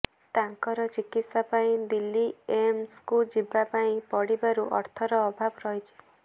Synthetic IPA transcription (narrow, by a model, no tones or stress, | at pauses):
t̪aŋkɔɾɔt͡ʃikit̪sapaĩd̪ilːiemskud͡ʒibapaĩpɔɽibaɾuʔɔ̰ɾt̪ʰɔɾɔːbʱabɔɾɔjt͡ʃʰi̥